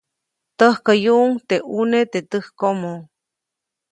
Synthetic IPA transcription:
t̪əhkəjuʔːŋt̪eʔunet̪et̪əhkomo

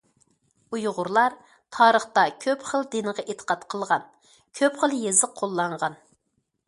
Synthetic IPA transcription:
ujʁʊɾlˠɑɾ | t̪ʰɑːɾəχt̪ɑkʲʰøpχəlˠd̪enəʁɑʔet̪ʰə̥qɑt̪qʰəlˠʁɑn | kʲʰøpχəlˠjezəqʰːolˠːɑɴʁɑn

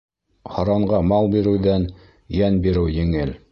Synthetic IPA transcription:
hɑɾɑɴɢɑmɑlˠbiɾɘ̆wðæn | jænbiɾɘwjɘ̆ŋɘl

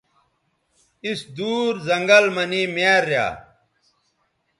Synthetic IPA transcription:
isd̪uːɾzɐŋɡɐlmɐnimeːɾːja̰ː

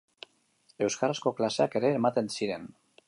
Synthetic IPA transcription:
e̞wskarasko̞klase̞ake̞ɾe̞ːmat̪e̞nsiɾe̞n

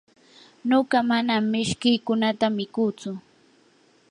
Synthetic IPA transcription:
noɢɑmanamːɪʃkɪjkʊnat̪amɪkuːt͡sʊ

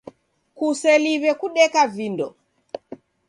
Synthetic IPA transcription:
kusɛliβɛkuɗɛkavindɔ

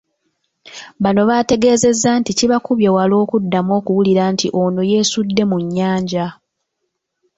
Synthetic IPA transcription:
βano̞βaːte̞ɡe̞ːze̞zːaːnticiβakuβjewalo̞ːkudːamo̞ːkuwuliɾaːntiʔo̞no̞je̞ːsudːe̞muɲːaːɲɟa

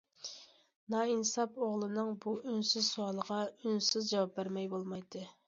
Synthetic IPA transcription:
nɑinsɑpoʁlˠɨnɨŋbuʔynsyzsuɑlˠəʁɑynsɪzd͡ʒɑwɑp̚bæɾmɛjbolˠmɑjd̪ɨ

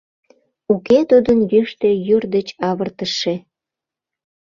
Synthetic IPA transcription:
uket̪ud̪ənjyʃt̪ejyrd̪et͡ɕɑβərt̪əʃe

